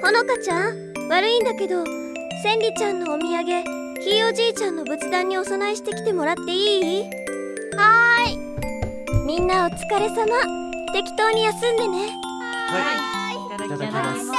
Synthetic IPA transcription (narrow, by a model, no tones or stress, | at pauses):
ho̞no̞kat͡ɕãɰ̃ | βaɾɯ̟ĩnd̪ake̞d̪o̞ | sẽ̞nʲɾʲit͡ɕãnːo̞ːmʲiaɡe̞ | çʲiːo̞ʑiːt͡ɕãnːo̞bɯ̟t͡sɨd̪ãɲ̟ːio̞sonaiɕi̥t̪e̞kʲi̥t̪e̞mo̞ɾat̪ːe̞iː | hai | mʲĩnːaot͡sɨ̥kaɾe̞sama | t̪e̞kʲi̥t̪o̞ːɲ̟ijasɨ̃nd̪e̞ne̞